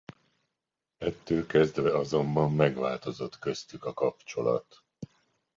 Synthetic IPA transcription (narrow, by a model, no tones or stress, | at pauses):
ɛt̪ːøːlkɛzd̪vɛɒzo̞mbɒmːɛɡʋaːlt̪o̞zo̞t̪kø̞st̪ykɒkɒpt͡ʃo̞lɒ̰t̪